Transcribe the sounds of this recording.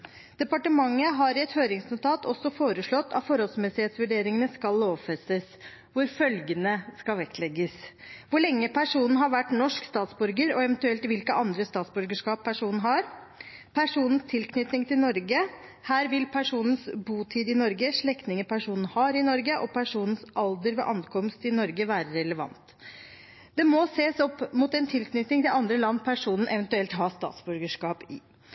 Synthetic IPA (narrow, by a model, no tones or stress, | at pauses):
d̪̥ɛpɑʈəmɑŋːəɦɑɾɪɛt̪høːɾɪŋsnʊt̪ʰɑːt̪ʰɔsːɔfoːɾəʂɭɔt̪ːʰɑ̰t̪fɔɾhɔlsmɛsɪheːt̪sʋʉɖeːɾɪŋənəskɑlːoːʋfɛst̪əs | ʋʊɾfœlɡənəskɑlʋɛkt̪lɛɡːəsʋʊɭɛŋːəpʰæʂuːnn̩ɦɑɾʋæʈːnɔʂkst̪ɑːt̪sbʉɾɡəɾɔɛʋɛnt̪ʉɛlt̪ʋɪlkəʔɑnd̪ɾəst̪ɑːt̪sbʉɾɡəʂkɑːpʰːæʂuːnɦɑɾ | pʰæʂuːnn̩st̪ʰɪlkʰnʏt̪nɪŋt̪ʰɪlnɔɾɡəhæːɾʋɪlpʰæʂuːnən̩sbuːt̪ʰiːd̪ɪnɔɾɡəʂɭɛkt̪nɪŋəpʰæʂuːnhɑːɾɪnɔɾɡəʔɔpʰæʂuːnn̩sʔɑld̪əɾʋɛ̰ːʔɑnkʰɔmst̪ɪnɔɾɡəʋæːɾəɾɛləʋɑ̰nt̪ | d̪̥ɛmɔseːsɔpːmut̪ɛnt̪ʰɪlknʏt̪nɪŋt̪ɪlɑnd̪ɾəlɑnːpʰæʂuːnən̩ʔɛʋɛnt̪ʉɛlt̪ɦɑst̪ɑ̰ːt̪sbʉɾɡəʂkɑːpɪ